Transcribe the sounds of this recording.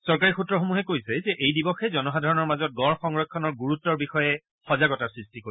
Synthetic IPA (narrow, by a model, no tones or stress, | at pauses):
sɔɹk̬aɹixutɹɔxomuɦɛkojsɛzɛʔejdibɔxɛzɔnɔɦadʱɔɹɔnɔɹmazɔt̚ɡɔɹxɔŋɹɔkʰːɔnɔɹɡuɹutːɔɹbixɔjɛ | xɔzaɡɔtasɹistikoɹi